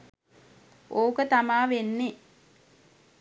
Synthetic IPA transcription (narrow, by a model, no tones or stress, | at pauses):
ʔoːkət̪amaːʋenːe